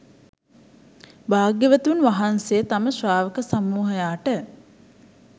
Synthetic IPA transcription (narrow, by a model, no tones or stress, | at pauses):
baːɡjəʋət̪unʋaɦansejət̪aməsʋaːʋəkəsamːuːɦəjaːʈə